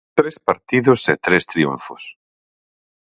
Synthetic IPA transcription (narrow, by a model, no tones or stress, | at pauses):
t̪ɾespaɾt̪iðoset̪ɾest̪ɾiṵɱfos